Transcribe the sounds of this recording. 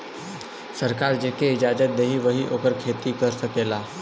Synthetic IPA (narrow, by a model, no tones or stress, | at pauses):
sɐɾkaːɾd͡ʒeːkeɪd͡ʒaːd͡ʒət̪̚d̪eɦiʋəɦiʔoːkəɾkʰeːt̪ikəɾsɐkeːlaː